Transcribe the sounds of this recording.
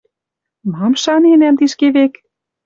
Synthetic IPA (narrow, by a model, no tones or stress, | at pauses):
mɑmʃɑnenæmt̪iʃkeβek